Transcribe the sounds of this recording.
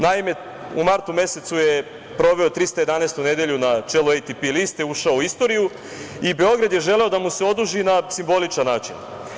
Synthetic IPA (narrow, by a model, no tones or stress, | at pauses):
naime̞ | umaɾt̪ume̞se̞t̪suje̞ | pɾo̞ʋe̞ot̪ɾist̪aje̞d̪aneːst̪une̞d̪eʎunat͡ʃeluejt̪ipilist̪euʃaouist̪o̞ɾiju | ibe̞o̞ɡɾad̪je̞ʒe̞le̞o̞d̪amuse̞o̞d̪uʒinasimbo̞lit͡ʃanːaːt͡ʃḭn